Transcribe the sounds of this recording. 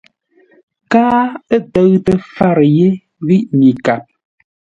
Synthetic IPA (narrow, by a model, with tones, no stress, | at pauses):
kaː˦ə˦tə˦ɣtə˦fa˦ɾje˦ | ɣi˦ʔɲi˨ka˨p̚